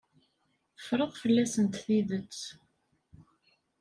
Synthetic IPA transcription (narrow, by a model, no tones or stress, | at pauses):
ə̥fɾˤəʁfəlːæsənt̪θiðət͡sː